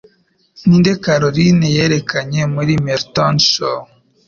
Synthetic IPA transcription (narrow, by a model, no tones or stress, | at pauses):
niːndekaɾoɾinejeɾekaɲe̞muɾimeɾtonʃo